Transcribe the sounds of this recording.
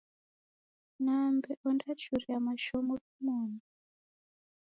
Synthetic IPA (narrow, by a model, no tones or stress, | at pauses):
nambɛʔɔndat͡ʃuriamaʃɔmɔkumɔːna